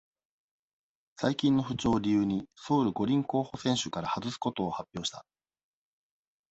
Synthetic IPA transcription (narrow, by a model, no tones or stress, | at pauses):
saikʲĩnːo̞ɸɯ̟t͡ɕo̞ːɾʲijɯːɲ̟iso̞ːɾɯ̟ɡo̞ɾʲĩŋko̞ːho̞sẽ̞ɰ̃ɕɨkaɾahazɨsɨ̥ko̞t̪o̞ːhapʲːjo̞ːɕi̥t̪a